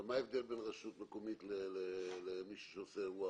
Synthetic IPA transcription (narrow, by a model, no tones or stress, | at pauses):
maevd̪elbenʁaʃut̪nekomit̪lelelemiʃu̥ʃeoseua